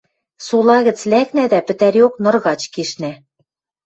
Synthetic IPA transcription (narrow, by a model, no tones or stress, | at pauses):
sulˠɑɣɘ̆t͡slæknæd̪æpɘ̆t̪æɾoknɤ̆rɣɑt͡ɕkeʃnæ